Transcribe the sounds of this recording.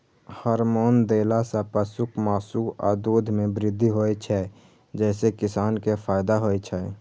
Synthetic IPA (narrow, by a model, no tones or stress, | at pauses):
həɾmoːnd̪eːlasapəsʊkmaːsua̰ːd̪uːd̪ʱmẽbɾɪd̪ʱːiɦoːɛt͡ʃʰɛ | d͡ʒɛːsekɪsaːnkepʰaːjd̪aɦoːet͡ʃʰɛ